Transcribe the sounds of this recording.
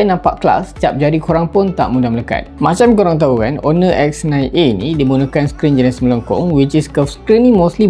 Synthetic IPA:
jnãmpa̰ʔkla̰st͡ʃap̚d͡ʒaɾikoɾaŋpʊnt̪aʔmũdamələka̰t̪̚mãt͡ʃamkoɾaŋt̪̬aukanɔnə̃ʔɛk̚snãjʔeinĩdibunə̃kanskɾind͡ʒənasmələŋkɔ̰ŋwit͡ʃiskɔfskɾinĩmostli

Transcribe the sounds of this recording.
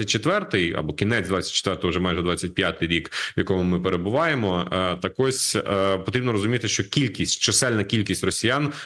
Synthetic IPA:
ɐt̚ʲt͡ʃet̪ʋɛrt̪ɪjɐ̰bɔkʲinɛt͡sʲd̪ʋɑt͡sʲɐt̚ʲt͡ʃːe̥t̪ʋɛrt̪ɔʊʒɛmajʒɛd̪ʋɑt͡sʲːɐt̚ʲpʲjat̪ɪjɾʲikʋjɐkɔmʊmɪpeɾebʊʋɑjemɔt̪ɐkɔsʲpɔt̪ɾʲibnɔɾɔzʊmʲit̪ɪʃt͡ʃɔkʲilʲkʲisʲtʲt͡ʃɛsɛlʲnɐkʲilʲkʲisʲtʲrɔsʲijan

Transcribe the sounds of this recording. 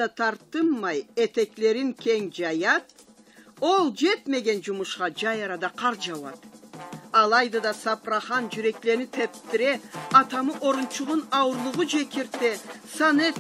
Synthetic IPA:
ɑt̪ʰɑɾt̪əmːɑjet̪e̞kle̞ɾɪŋkʲʰe̞ŋd͡ʒɑjɑt̪̚ | o̞lˠd͡ʒe̞t̪me̞ɡʲe̞nʒʊmʊʃqɑd͡ʒɑjɑɾɑd̪ɑqʰɑɾʒɑwɑ̰t̪ | ɑlˠɑjd̪ɑd̪ɑsɑpɾɑχɑnʒyɾe̞kle̞ɾnɪt̪ʰep̚t̪ɪɾe̞ɑt̪ɑməʔo̞ɾʊnt͡ʃʰʊʁʊnɑwʊɾlˠʊʁʊʒekʲeɾt̪esɑne

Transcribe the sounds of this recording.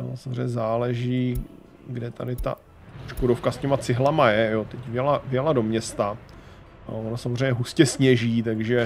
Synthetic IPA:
o̰samozrɛ̰jɲɛzaːlɛʒiː | ɡdɛt̪a̰dɪt̪a̰ | ʃkoɾofkascɛmat͡sɪɦlamajɛjot̪ɛcvjɛlavjɛlado̞mɲɛst̪a | onasamozr̝ejɲɛɦuscɛsɲɛʒiːt̪aɡʒɛ

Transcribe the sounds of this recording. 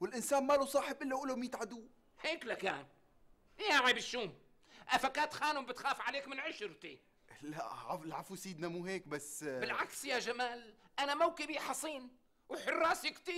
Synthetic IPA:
wɪlʔɪnsaːnmalusˤɑːħɪbʔɪlːajʔuːlːʊmjɪt̪ʕad̪uː | heːklaka̰ːn | jaʕibɪʃːuːm | ʔafakaːt̪xaːnʊmbɪt̪xaːfʕaleːkmɪnʕɪʃɾt̪i | laʕalʕafusiːd̪namuːɦeːkbasːbɪlʕaksjaʒamaːlʔanamawkɪbiħɑsˤiːn | wħʊrˤːɑːsikt̪iːɾ

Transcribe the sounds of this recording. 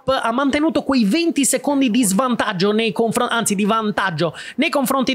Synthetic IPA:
pːamːant̪enuːt̪okwejvɛnt̪isekond̪id̪izvant̪ad͡ʒːonejkoɱfɾoʔant̪sid̪ivant̪ad͡ʒːonejkoɱfɾont̪i

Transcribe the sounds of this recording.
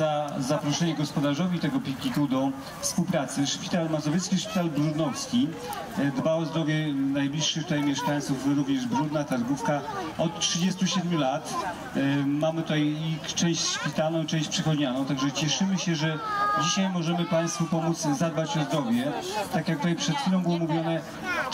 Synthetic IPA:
azapɾɔʂɛɲɛɡɔspɔd̪aʐɔvʲit̪ɛɡɔpʲikɲʲikud̪ɔ | fspuwpɾat̪sɘʂpʲi̥t̪almazɔvʲjɛt̪skʲiʂpʲi̥t̪albɾud̪nɔfskʲi | d̪baɔzd̪ɾɔvʲjɛnajblʲiʂːɘt̪ut̪ajmʲjɛʂkaj̃t̪sufbɾuvɲɛʐbɾud̪nat̪aɾɡufkaɔt̪tʂɘd͡ʑɛst̪uɕɛd̪mʲjulat̪ | mamɘt̪ut̪ajikt͡ʂɛ̃w̃ɕt͡ɕʂpʲit̪alnɔ̃w̃it͡ʂɛ̃t͡ɕpʂɛxɔd͡ʑɲanɔ̃w̃t̪aɡʐɛt͡ɕɛʂɘmɘɕɛʐɛd͡ʑiɕajmɔʐɛmɘpaj̃st̪fupɔmud̪zzad̪̚bat͡ɕɔzd̪ɾɔvʲjɛt̪akjak̚t̪ut̪ajpʂɛt̪fʲilɔ̃bɘwɔmuvʲjɔnɛ

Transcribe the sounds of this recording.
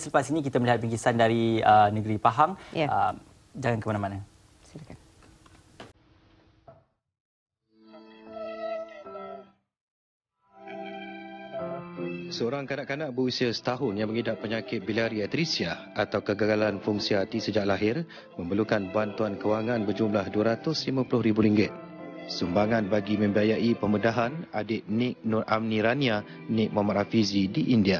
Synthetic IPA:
sələpasinik̬it̪aməliɦat̪̚piŋɡisandaɾiənəɡɾipaɦaŋəm | d͡ʒaŋankəmanãmana | slkan | səoɾaŋkanaʔkanaʔ̚bəusiəsə̥t̪aɦʊnjaŋməŋidaʔpːəɲakɪt̪̚bilaɾiat̪ɾisia | at̪awkəɡaɡalanfuŋsiat̪isəd͡ʒaʔlaɦɪr | mə̃mbəlukanbant̪uankəwaŋãnbərd͡ʒumlahduaɾat̪ʊslimãpulʊhɾibuɾiŋɡɪt̪̚ | sumbaŋanbaɡimə̃mbiajaʔipəmədaɦanadɪt̪̚nɪk̚nʊrʔamniɾania | nik̚mamaʔafizidiʔindia

